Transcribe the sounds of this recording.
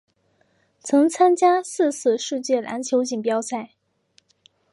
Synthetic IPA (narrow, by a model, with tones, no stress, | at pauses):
t͡sʰɤ˧˥ŋt͡sʰa˥nt͡ɕja˥sɹ̩˥˧s̩ʰ˥˧ʂɻ̩˥˧t͡ɕjɛ˥˩la̰˧˥nt͡ɕʰjo˧˥ʊt͡ɕi˨˩ŋpjɑ˥ʊsa˥˩ɪ